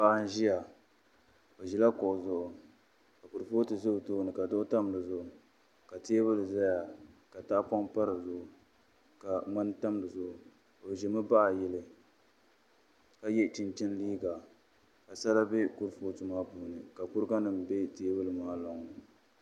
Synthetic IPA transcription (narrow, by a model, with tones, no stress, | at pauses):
paː˦n˦ʒi˦ja˨ | o˨ʒi˨la˦kʊ˨ʔʊ˨zʊ˦˨ʔʊ˨ | ka˨ku˨ɾfo˦tɨ˨zʊ˦btʊː˦˨nɨ˨ka˨dʊ˦ʔʊ˦ta˦mdɨ˨zʊ˦˨ʔʊ˨ | ka˨ti˦e˦bɨ˦lɨ˨za˦ja˨ka˨ta˦pa˦mpa˦ɾɨ˨zʊ˦˨ʔʊ˨ | ka˨ŋa˦n˦ta˦m˨dɨ˨zʊ˨ʔʊ˨ | o˨ʒi˨mɨ˦ba˦ʔa˨jɛ˦lɨ˨ | ka˦jɛ˦t͡ʃi˦nt͡ʃɛ˦n˦liː˦ɡa˨ | ka˨sa˦la˦be˦ku˦ɾfoː˦tɨ˨maː˦buː˨nɨ˨ka˨kʊ˦ɾɡa˦nɨ˨m˨be˦te˦bɨ˦lɨ˨maː˦lɔ˨ŋ˨nɨ˨